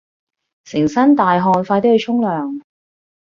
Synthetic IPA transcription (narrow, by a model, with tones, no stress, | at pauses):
sɪ˨˩ŋsɐ˥nt̪aː˨jɦɔː˧nfaː˧t̪e˥hɵ˧t͡ʃʰʊ˥ŋlœː˨ŋ